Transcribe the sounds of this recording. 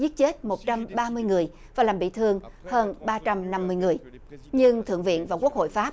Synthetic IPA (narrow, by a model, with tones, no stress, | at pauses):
zi˦˥t̚t͡ɕe˦˥t̚mo˨˩t̚t͡ɕa˧mɓaː˧mɨ˧əjŋɨ˨˩əj | vaː˨˩laː˨˩mɓḭ˧˨t̪ʰɨ˧əŋhəː˧nɓaː˧t͡ɕa˧mna˧mːɨ˧əjŋɨ˨˩əj | ɲɨ˧ŋt̪ʰɨ̰˧˨əŋvḭ˧˨ənvaː˨˩ku˦˥ək̚ho̰˧˨jfaː˦˥p̚